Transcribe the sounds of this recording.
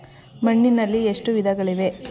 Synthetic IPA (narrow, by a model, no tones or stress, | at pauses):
mɐɳːinɐlːieʂʈuʋid̪ʱɐɡɐɭiʋe̞